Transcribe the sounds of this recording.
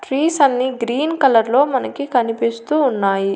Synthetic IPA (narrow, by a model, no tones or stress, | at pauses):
ʈɾiːsɐnːiɡɾiːnkɐlɐɾlo̞ːmɐnɐkikɐnipist̪uːnːaːji